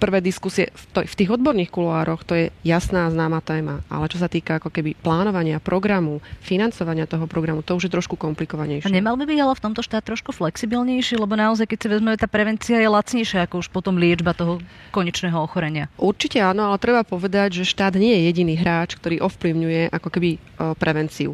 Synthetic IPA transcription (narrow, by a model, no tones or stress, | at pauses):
pr̩ʋɛjd̪iskusiɛ̰ft̪ɔft̪iːɣɔd̪̚bɔɾniːxkuluaːɾɔxt̪ɔjɛjasnaːaznaːmat̪ɛːmaʔa̰lɛt͡ʃɔs̬at̪iːkaakɔkɛbiplaːnɔʋaɲɪapɾɔɡɾamufinant͡sɔʋaɲɪat̪ɔɦɔpɾɔɡɾamut̪ɔuʒjɛt̪ɾɔʃkukɔmplikɔʋaɲɛjʃɲɛmalbibiɟalɛft̪ɔmt̪ɔʃt̪aːt̪ːɾɔʃkuflɛksibilɲɛjʃilɛbɔnaɔzajkɛc̚siʋɛzmɛmɛt̪aːpɾɛʋɛnt͡siajɛlat͡sɲɛjʃɪaakɔuʃpɔt̪ɔmlɪɛd͡ʒbat̪ɔɦɔ | kɔɲɛt͡ʃnɛːɦɔɔxɔɾɛɲɪaʔuɾt͡ʃicɛanɔalɛt̪ɾɛbapɔʋɛd̪aɟʒɛʃt̪aːd̪ɲɪɛjɛjɛɟiniːɦɾaːt͡ʃkt̪ɔɾiːʔɔfpliʊɲujɛʔakɔkɛbi | pɾɛʋɛnt͡siṵ